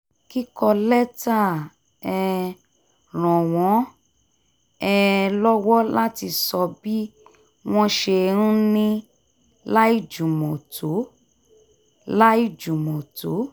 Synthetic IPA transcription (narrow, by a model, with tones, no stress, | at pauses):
ki˦kɔ˧lɛ˦ta˦˨ | ɛ˧ | ɾ̃ɔ̃˨w̃ɔ̃˨˦ | ɛ˧lɔ˦wɔ˦la˦ti˧sɔ˧bi˦ | w̃ɔ̃˦ʃe˧ɾ̃ũ˦nĩ˦ | la˦i˦˨d͡ʒu˨mɔ̃˨tʰo˨˦ | la˦i˦˨d͡ʒu˨mɔ̃˨to˨˦